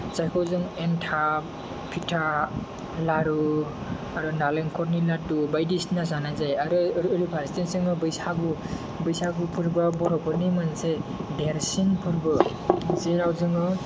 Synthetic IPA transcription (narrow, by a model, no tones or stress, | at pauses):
t͡ʃajkʰɔwzɯŋentʰa | pʰitʰa | laɾu | aɾɯnaleŋkʰɔɾnilatubajdisnas̬anazajaɾɯɾɯɾipʰaɾstensɯŋɯbɯjsaɡu | bɯjsaɡupʰɯɾbabɔɾɔpɔɾnimansedeɾsinpʰɯɾbɯ | zeɾawzɯŋɯ